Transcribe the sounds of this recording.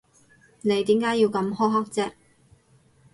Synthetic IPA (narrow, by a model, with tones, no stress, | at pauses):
ne˨˧jt̪iː˨˥mkaː˨˥jiː˧wkɐ˨˧˥mhɔː˥ɦɐ˥k̚t͡sɛː˥